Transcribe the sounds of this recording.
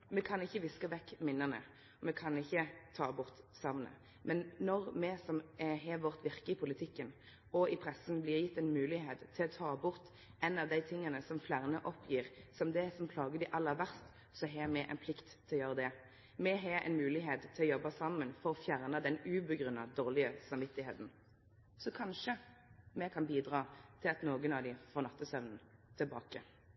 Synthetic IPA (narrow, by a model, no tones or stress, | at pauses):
mɛkʰɑnɪçːəʋɪskəʋɛkːmɪnːəʁnə̰ | ɔmɛkʰɑnɪçːət̪ʰɑːbʊʁt̪sɑʋnə̰ | mʔɛnːɔɾmɛsɔmɦɛʋɔʁt̪ʋɪʁkəɪpʰʊlɪt̪ʰɪkːən | ɔɪpʰɾɛsnblɪːʁjɪt̪ːɛɪnmʉːlɪɦeːt̪t̪ʰːɪlɔt̪ʰɑːbʊʁt̪ | ɛnɑʋd̪æɪt̪ʰɪŋːənəsɔmflæʁnəʔɔpʰːjiːʁsɔmd̪ɛsɔmpʰlɑːɡəd̪ɪʔɑlːəʋæɾst̪ | sɔɦemɛʔɛ̰ɪnpʰlɪkt̪ʰːɪlɔjøːʁəd̪ɛ | mɛɦɛɛ̰ɪnmʉːlɪɦeːt̪t̪ʰːɪlɔjɔbɑsɑmːənfɔʁɔfjæʁnəd̪ɛnʉːbəɡʁʉnːɑd̪oːʁlɪəsɑmʋɪt̪ːɪheːt̪n̩ | sɔkʰɑnʂə | mɛkʰɑnbiːd̪ɾɑːt̪ʰɪlɑt̪noːɡənɑʋd̪ɪfoːʁnɑt̪ːəsœʋnən̩t̪ʰɪlbɑ̰ːkə